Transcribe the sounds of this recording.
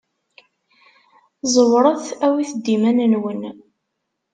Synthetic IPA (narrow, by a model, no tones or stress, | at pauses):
zˤəwɾˤəθæwiθəd̪ːimænənwən